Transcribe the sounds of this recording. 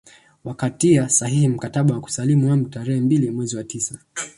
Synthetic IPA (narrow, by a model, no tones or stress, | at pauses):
wakatiasahihim̩kataɓawaku̥salimuwamutaɾɛhɛmbilimwɛziwatisa